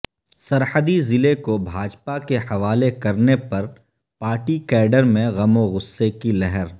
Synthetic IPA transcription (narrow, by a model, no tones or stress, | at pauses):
sɐɾħəd̪izɪlekobʱaːd͡ʒpakehɐʋaːlekɐɾnepɐɾ | paːɾʈikɛːɖəɾmẽɣɐmoɣʊsːekilɛɦɛɾ